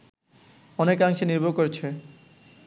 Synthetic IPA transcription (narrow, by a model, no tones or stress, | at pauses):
ɔnekaŋʃeniɾbʱokoɾet͡ɕʰe